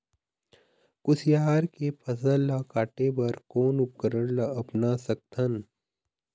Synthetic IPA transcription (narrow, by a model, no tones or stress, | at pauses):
kʊsjaːɾkepʰɐsəlːakaːʈebɐɾkoːnʊp̚kəɾəɽlɐɐpnasɐk̚t̪ʰɐn